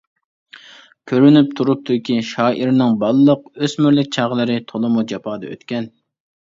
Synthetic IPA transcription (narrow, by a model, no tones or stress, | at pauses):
kʲʰøɾynyp̚t̪ʰuɾup̚t̪ʰukʲiʃɑːʔiɾnɪŋbɑlˠːəqøsmyɾlɪk̚ʲt͡ʃʰɑːʁəlˠɨɾɨt̪ʰolˠɨmud͡ʒɑpʰɑːd̪ɑø̰t̪kʲɛn